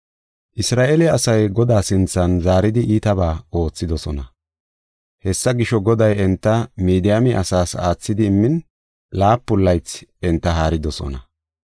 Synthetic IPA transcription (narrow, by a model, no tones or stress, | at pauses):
ʔɪsɾaːʔelɪɐsɐjɡɔd̪aːsɪnt͡sːɐnzaːɾɪd̪ɪʔiːt̪ɐβaːo̞ːt͡sːɪd̪ɔsɔnɐ | hɛsːɐɡɪʃɔɡɔd̪ɐjɛnt̪ːɐmiːd̪ɪjɐmɪʔɐsaːsa̰ːt͡sːɪd̪ɪːmːɪn | laːpːʊlːɐjt͡sɛnt̪ːɐɦaːɾɪd̪ɔsɔ̰nɐ